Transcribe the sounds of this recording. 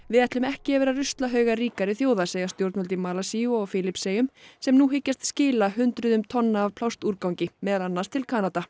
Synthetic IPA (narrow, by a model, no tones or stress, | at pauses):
vɪðɛht̪lʏmɛhcɪɛvɛːɾarʏst̪laɦœːɥɣariːkaɾɪθjoːwðaseːjast̪jowɾt̪nɔlt̪ɪmaːlasiʏɔɣfɪlɪpseːjʏmsɛmnuɦɪcːast̪scɪːlaɦʏnt̪ɾʏðʏmt̪ʰɔnːaːv̥pʰlawst̪uɾkawɲcɪmɛːðalanːast̪ʰɪlkʰaːnat̪a